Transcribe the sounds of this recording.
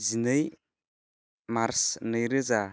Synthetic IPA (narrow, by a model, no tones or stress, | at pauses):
zinɯj | maɾsnɯjɾɯza